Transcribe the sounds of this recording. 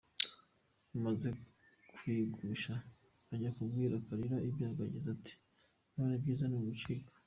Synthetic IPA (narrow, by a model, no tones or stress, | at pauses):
umaze̞ | kwiːɡuʃaaɟakubɡiːɾakaɾiɾaʔibjaːɡaɟizatʰi̥ | nanibɟiːzanumut͡ʃiːkḁ